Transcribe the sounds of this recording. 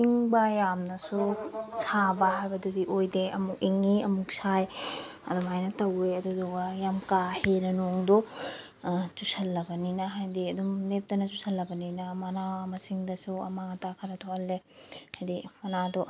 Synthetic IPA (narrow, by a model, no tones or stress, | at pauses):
iŋbɐjamnɐsusʰabaɦajbɐdudiʔojdeɐmukiŋiɐ̰muksʰaj | ɐ̰dumajnɐtɐweɐdudɔɡɐjamkahenɐnoŋdɔ | t͡ʃusɐlːɐbɐninɐɦajdiɐdumlep̚tɐnɐt͡ʃusɐlːɐbɐninɐmanamɐsiŋdɐsuɐ̰maŋatakʰɐɾɐtʰohɐlːehajdimɐnadɔ